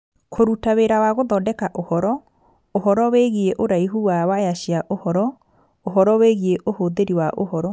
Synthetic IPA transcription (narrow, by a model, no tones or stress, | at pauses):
kʰoɾutaweɾawaɣoðɔdɛkaʔohɔɾɔ | oɦɔɾɔweɣieʔoɾaiɦuwawajaɕiaʔohɔɾɔ | oɦɔɾɔweɣieʔohoðeɾiwaʔo̰hɔɾɔ